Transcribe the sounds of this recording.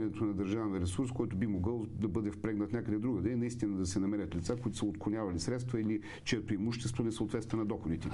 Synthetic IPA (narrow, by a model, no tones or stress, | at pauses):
ɾʲnɛt̪onɐd̪ɐɾʒavəɾɛsuɾskɔjt̪ʊbimoɡɤlˠd̪ɐbɤd̪ɛfpɾɛɡnɐt̪nʲakəd̪ɛd̪ɾuɡəd̪ɛinɐist̪inɐd̪ɐsɛnɐmɛɾʲət̪lʲit̪sakoit̪ʊ̥səot̪kˠʊnʲavɐlisɾɛt̪st̪vɐili | t͡ʃɛɛt̪oimuʃt̪ɛst̪volɛsəoːt̪vɛt̪t̪vɛnɐd̪ɔxod̪it̪ɛ